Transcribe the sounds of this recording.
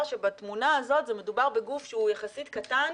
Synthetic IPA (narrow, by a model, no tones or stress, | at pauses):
ʃebatmunaazo̞tzeme̞dubaʁbe̞ɡufʃehujaχasitkatan